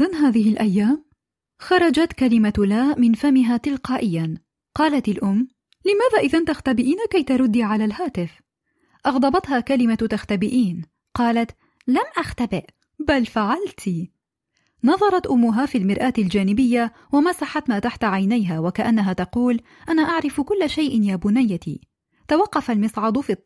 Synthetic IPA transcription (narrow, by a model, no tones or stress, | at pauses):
ʔɪðanɦaːðɪɦɪlʔajːaːm | xɑɾˤɑd͡ʒat̪kalɪmalaːmɪnfamɪɦaːt̪ɪlqɑːʔɪjːan | qɑːlat̪alʔʊmː | lɪmaːðaːʔɪðant̪axt̪abɪʔiːnakajt̪aɾˤʊd̪ːiʕalaːlhaːt̪ɪf | ʔɑɣd̪ˤɑbɑt̪haːkalɪmat̪axt̪abɪʔiːn | qɑːlat̪ | lamʔaxt̪abɪʔ | balfaʕalt̪i | nɑðˤɑɾˤɑt̪ʔʊmːʊɦaːfiːlmɪɾʔaːt̪ald͡ʒaːnɪbɪjːa | wamasaħat̪maːt̪aħt̪aʕajnajɦaːwakaʔanːaɦaːt̪ɑquːl | ʔanaːʔaʕɾɪfkʊlːaʃajʔɪnjaːbʊnajːat̪ḭː | t̪awɑqːɑfalmɪsˤʕɑd̪ˤfiː